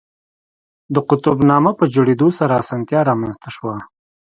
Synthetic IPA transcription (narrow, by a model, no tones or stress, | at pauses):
d̪əqʊt̪ʊbnɑmapəd͡ʒoɽed̪osaɾaːsɑnt̪jɑɾɑmanst̪aʃwa